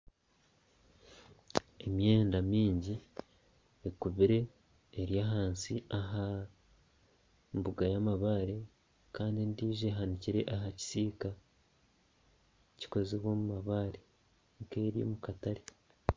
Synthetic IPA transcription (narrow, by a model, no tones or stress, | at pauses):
e̞mje̞ːndamiːɲɟi | ekuβiɾe̞ː | ɾijaɦaːnsiaɦa | mbuɡajamaβaɾe̞ | kaːndindiːʒe̞ɦaniciɾe̞̰ʔaɦaci̥siːka | ci̥ko̞ziβwo̞mumaβaːɾe | ŋke̞ːɾijo̰mukataɾe